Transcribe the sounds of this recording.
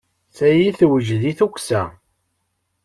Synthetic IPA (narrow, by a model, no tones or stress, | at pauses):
sæjiθwəʒðiθukʷsæ̰